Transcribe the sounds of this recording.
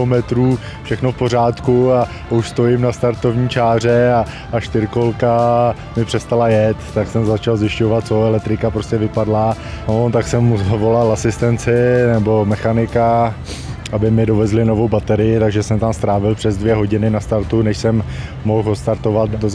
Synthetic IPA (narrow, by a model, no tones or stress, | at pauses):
omɛt̪ɾuː | fʃɛxno̞fpo̞r̝aːt̪kua | uʃst̪o̞jɪmnast̪aɾt̪o̞vɲiːt͡ʃaːr̝ɛa | aʃt̪ɪɾkolka | mɪpr̝̥ɛst̪alajɛt̪ːaksɛmzat͡ʃalzjɪʃcovat̪̚t͡soɛlɛk̚t̪ɾɪkapɾo̞scɛvɪpadla | not̪aksɛmːuzavo̞lalasɪst̪ɛnt͡sɪnɛbo̞mɛxanɪka | ʔabɪmɪdo̞vɛzlɪno̞vowbat̪ɛɾɪjɪt̪aɡʒɛsɛmt̪amst̪ɾaːvɪlpr̥ɛzdvjɛɦo̞ɟɪnɪnast̪aɾt̪unɛʃsɛmː | o̞xɦost̪aɾt̪o̞vat̪doz